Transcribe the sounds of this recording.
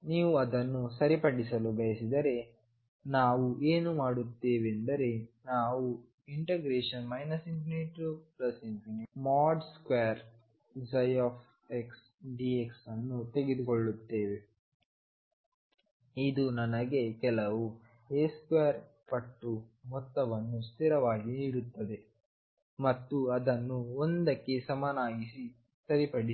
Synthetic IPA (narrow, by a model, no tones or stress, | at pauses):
niːʋuɐd̪ɐnːusɐɾipɐɽisɐlubɐjɐsid̪ɐɾe̞ | naːʋuʔeːnumaːɽut̪ːeːʋend̪ɐɾe̞naːʋu | iɳʈeɡɾeːʂɐnmɐjnɐsimpineʈplɐsimpinemaːɖskʋeːɐɾ | sɐjaːpʰ | eks | ɖieksɐnːut̪e̞ɡed̪ukoɭːut̪ːeːʋe | id̪unɐnɐɡe̞kɛlɐʋu | eːskʋeːɾ | pɐʈːumɔt̪ːɐʋɐnːust̪iɾɐʋaːɡiniːɽut̪ːɐd̪e̞ | mɐt̪ːuɐd̪ɐnːuond̪ɐkːe̞sɐmaːnaːɡisi | t̪ɐɾipɐɽi